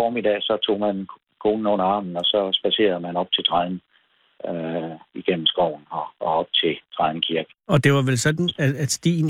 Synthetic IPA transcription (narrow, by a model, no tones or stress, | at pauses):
fɒːmid̥ɛ̰ːsɒ̽t͡sʰo̝̰ːmæn | kʰo̝ːnn̩onɐɑ̈ːmn̩ɒ̽sɒ̽sb̥æse̝̰ːɐð̩ˠmænɒ̽b̥̚t͡sʰe̝t͡sʰʁɑn̩ | iɡ̥en̰m̩sɡ̥ɒ̰ʊ̰n̩ɒɒɒ̽b̥̚t͡sʰe̝t͡sʰʁɑðn̩kʰiɐɡ̥ɒ̽d̥e̝ʋɑ̈ʋelsɒ̽d̥n̩ææ̥sd̥ḭːn